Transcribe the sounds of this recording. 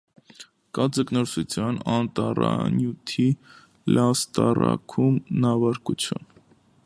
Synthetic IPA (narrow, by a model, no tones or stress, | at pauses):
kɑd͡zəknɔɾsut͡sʰjɑnɑnt̪ɑrɑnjut̪ʰi | lɑst̪ɑrɑkʰumnɑvɑɾkut͡sʰjun